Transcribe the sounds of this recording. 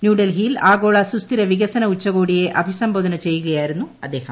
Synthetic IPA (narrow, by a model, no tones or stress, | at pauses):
njuːɖɐlɦilaːɡoːɭaːsust̪iɾɐʋiɡɐsɐnɐut͡ʃːɐɣoːɽijeːʔɐbʱisɐmboːðɐnɐt͡ɕɛjːuɣɐjaːjiɾunːuɐd̪ːeːɦɐm